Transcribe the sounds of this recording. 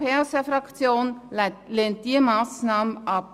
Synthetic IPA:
pʰɛːsəfɾɑkt͡sjoːnleːnt̚d̥iəmɑːsnɑːməɑp̚

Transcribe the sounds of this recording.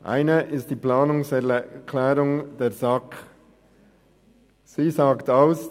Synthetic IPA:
ʔa̰ɪnəʔɪst̚d̥iːplaːnʊŋsɛkʰlɛːɾʊŋd̥eːɐzak | siːzaːktaʊs

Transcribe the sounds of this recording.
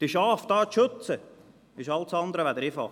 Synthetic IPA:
d̪̥iʃɑːfd̪ɑːtʃɵt͡sə | ɪʃɑltsɑnd̪əɾəʋæd̪əɾɪfɑ̰ː

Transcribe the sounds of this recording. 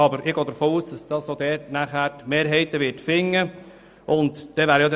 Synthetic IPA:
ɑbəɾɪɡ̥oːd̥̪əɾfoːuːsd̥ɑsd̥ɑsod̪ɛːtnæχæːɾtmeːɾɦɛɪt̪əʋɪtfɪŋːə | ʔʊntd̥ɛʋæːɾəjɑd

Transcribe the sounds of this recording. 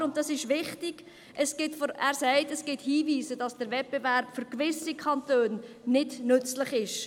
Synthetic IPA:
ʊntd̥ɑsɪʃʋɪχtɪɡ̥ | ʔəsɡ̥ɪtfɔæːɾsɛɪtəsɡ̥ɪthiːviːsəd̥ɑsd̥əɾvɛt̚b̥evæɾpfʏɾkvɪsikʰɑntøːnː | ɪdnʏt͡sləχɪʃ

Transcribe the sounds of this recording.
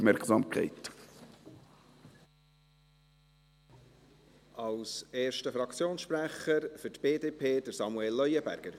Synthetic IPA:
mɛɾksɑmkʰɛ̰ɪt | ʔɑlseːɾʃtəfɾɑkt͡sjoːnsʃpɾæχəɾfʏtb̥eːdeːpʰeːd̥əɾsɑmuɛlːœʏəbæ̰ɾɡ̥əɾ

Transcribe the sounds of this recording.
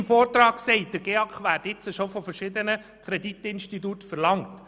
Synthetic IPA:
mfɔːrtɾɑːksɛɪt̚d̥əɾɡ̥eɑkχʋæːɾtɪt͡səʃofɔfəɾʃɪdənə | kʰɾeditɪnʃtitutfəɾlɑŋt

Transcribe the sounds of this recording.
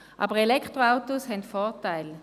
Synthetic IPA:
ʔa̰ːbəʁelɛkʰtʁoaʊtoshɛntfɔɐtaɪl

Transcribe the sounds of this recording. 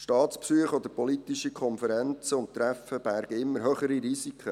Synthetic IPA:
ʃtɑːtt͡spsyəχɔd̪əpɔlit̪iʃikʰχɔnfəɾɛnt͡səʊntt̪ːɾæfəb̥æɾɡ̥əɪmːəɾɦøχəɾiɾisikʰə

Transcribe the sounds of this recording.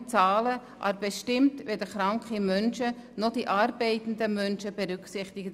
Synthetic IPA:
t͡sɑːlə | ʔɑ̰ɾbɛʃtɪmtʋɛdəχɾɑŋkχimœnʃənod̥iʔɑːɾbɛɪtən̩dəmœnʃəb̥ɛɾʏksɪχtɪɡə

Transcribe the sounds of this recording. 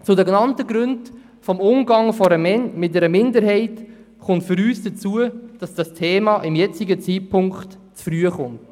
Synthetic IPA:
t͡sʊdɛknɑntəɡɾʏnd | fɔmʊmɡɑŋfɔɾəmɛmɪtdɛɾəmɪndəɾɦɛɪt | χʊntfʏɾyːsd̥ət͡suəd̥ɑsd̥ɑstʰeːmɑːʔɪmjɛt͡siɡət͡siːtpʰʊŋkχtt͡sfryəχʊnt

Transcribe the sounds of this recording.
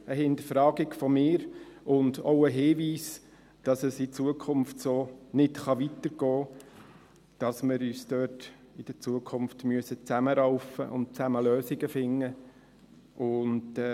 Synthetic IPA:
əɦɪnd̪əɾfɾɑːɡɪɡfɔmɪːɾʊndoʊəɦɪːʋiːs | d̥ɑsəsɪt͡suəkʰʊmftsoːnɪtχɑʋit̪əɾɡ̥ɔː | d̥ɑsmɪɾyːsd̥øːt | ɪd̥ət͡suəkʰʊmftmyəsət͡sæməɾaʊfə̰ʔʊ̰nt̚t͡sæməløːsɪɡəfɪŋːə | ʔʊnd

